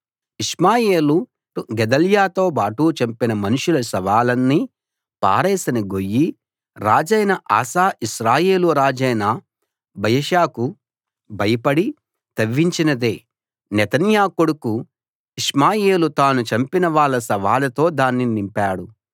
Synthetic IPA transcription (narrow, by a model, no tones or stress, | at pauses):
iʂmaːje̞ːlu | uɡɛd̪ɐljaːt̪o̞ːbaːʈut͡ʃɐmpinɐmɐnuʂulɐsɐʋaːlɐnːi | pa̰ːɾɛːsɐniɡo̞jːi | ɾaːd͡ʒɐjnɐʔa̰ːsaːʔiʃɾaːjeːluɾaːd͡ʒɐjnɐ | bɐjɐʃaːku | bɐjɐpɐɽi | t̪ɐʋːiɲt͡ʃinɐd̪eː | nɛt̪ɐnjaːkoɽuku | iʂmaːje̞ːlut̪aːnut͡ʃɐmpinɐʋaːɭːɐsɐʋaːlɐt̪o̞ːd̪aːnːinimpaːɽu